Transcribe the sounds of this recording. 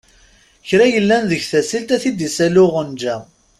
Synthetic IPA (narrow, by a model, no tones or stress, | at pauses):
çɾæjəlːænðəçθæsilt̪æθid̪isælʊʁənd͡ʒæ